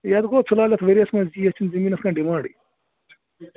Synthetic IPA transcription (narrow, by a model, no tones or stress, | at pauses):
jɐd̪ɡoːt͡sʰulaːlʲɐt̪ʰʋɐɾɐsmɐziːɐt͡ʃʰinzɐmiːnɐskaːnɖimãːɳɖḭ